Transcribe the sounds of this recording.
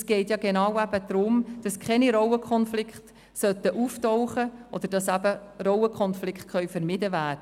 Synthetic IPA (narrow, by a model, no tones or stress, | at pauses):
sɡ̥ɛɪtjɑɡenɑːwæb̥əd̥̪ɾʊmd̥ɑskʰχɛniɾɔwəkʰχɔnflɪkχt | sœtəʔuːftɔʊχəʔɔ̰d̪əɾd̥ɑsæbəɾɔwəkʰχɔnflɪkχt̚χœʏfəɾmɪdəvæːdə